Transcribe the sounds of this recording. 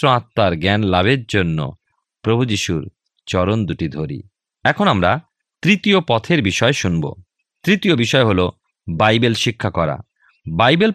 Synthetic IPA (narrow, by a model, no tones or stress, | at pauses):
ɾoat̪ːaɾɡɛnlaβeɾd͡ʑonːo̰ | pɾobʱud͡ʑiʃuɾ | t͡ɕɔɾond̪uʈid̪ʱoɾḭ | ɛkʰonamɾa | t̪ɾit̪iopɔt̪ʰeɾbiʃɔeʃunbo̰ | t̪ɾit̪iobiʃɔeɦolo | bajbelʃikʰːakɔɾa̰ | bajbel